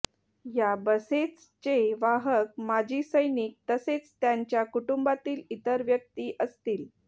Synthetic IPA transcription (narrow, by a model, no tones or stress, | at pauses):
jabəset͡s | t͡ɕeʋaɦək̚mad͡ʑiːsəjnik̚t̪əset͡st̪jaɲt͡ɕjakuʈumbat̪iːlit̪əɾʋjək̚t̪iːʔəst̪iːl